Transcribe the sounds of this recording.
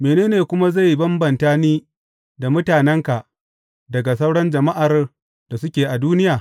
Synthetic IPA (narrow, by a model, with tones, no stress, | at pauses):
meː˨neː˦neː˨kʷʊ˦ma˦za˦˨jːbɐ˦mbɐ˨ntaː˦niː˦ | da˨mʊ˦taː˨nɛ˦ŋka˨ʔ | dɐ˨ɡa˨s̬ɐ˦wɽɐ˦nd͡ʒɐ˨ma˦ʔa˨r | d̥a˨sʊ˦kʲeː˨ʔa˨duː˦nɪ˦jaː˨